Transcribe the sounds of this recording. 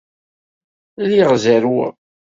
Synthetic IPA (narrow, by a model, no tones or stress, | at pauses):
liʁzæɾwæ̰